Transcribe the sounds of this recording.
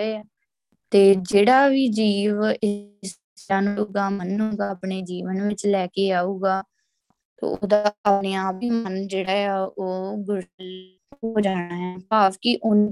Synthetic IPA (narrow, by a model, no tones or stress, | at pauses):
eː | t̪eːd͡ʒeːɽaːʋiːd͡ʒiːʋɪs | t͡ʃaːnuːɡaːmənuːɡaːpɳeːd͡ʒiːʋənʋɪt͡ʃlɛːkeːaːuːɡaː | t̪ḛːo̰ːd̪aːəpneːaːpiːmənd͡ʒeːɽaːaːoːɡʊɽ | ɦoːd͡ʒaːñaːɦɛːpaːpkɪʔʊn